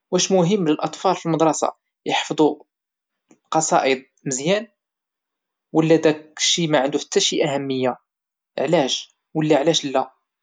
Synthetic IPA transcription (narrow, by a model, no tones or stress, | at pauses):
wæʃmʊɦəmːləlʔɑt̪ˤfɑlfilməd̪ɾˤɑsɑ̰ | jəħfd̪ˤu | qɑsˤɑ̰ʔəd̪̚ | məzjæn | wəlːæd̪ækʃimæʕənd̪uħə̥t̪ʰːæʃiʔæhæmːəjːa | ə̰ʕlæʒ | wəlːæʕlæʃlːæ